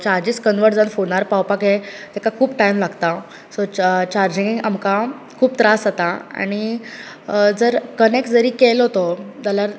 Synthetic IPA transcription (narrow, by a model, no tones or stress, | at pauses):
t͡ɕaɾd͡ʑiskənʋəɾʈd͡zənfoɽnaɾpawpaket̪ɛkakʰuːpʈaimlaɡt̪a | sot͡ɕaɾd͡ʑiŋɡiŋamka | kʰuːpt̪ɾasat̪aa̰ñi | d͡zəɾkənek̚sd͡zəɾiːkelɦot̪od͡z̪aljaɾ